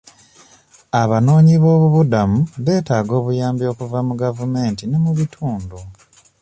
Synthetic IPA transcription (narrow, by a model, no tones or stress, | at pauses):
aβano̞ːɲiβo̞ːβuβudamuβe̞ːtaːɡo̞ːβujaːmbijo̞ːkuvamuɡavume̞ːntinemuβitʰuːndu